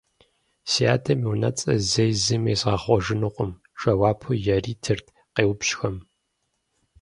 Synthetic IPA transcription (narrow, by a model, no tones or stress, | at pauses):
sia̰ːtʰɐmiwnɐ̰t͡sʼɐzejzɨmeːsʁɐχʷɔʒɪnɨqʷʼʊm | ʂɐwaːpʰujɐriːtʰɨrtʰ | qeːwpɕxɐm